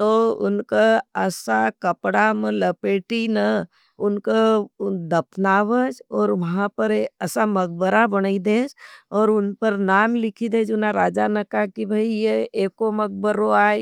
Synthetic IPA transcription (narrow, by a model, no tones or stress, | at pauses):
t̪oːʊ̰nkaəsakəpɽamẽləpeːʈinə | ʊnkad̪ɐpʰnaːʋəd͡ʒɔːɾʋɐɦãpəɾɐsaməɡ̚bəɾabəñaid̪eːd͡ʒɔːɾʊnpəɾnaːmlɪkʰid̪eːd͡ʒʊnaɾaːd͡ʒanəkakibʱəijeeːkoməɡ̚bəɾoaːe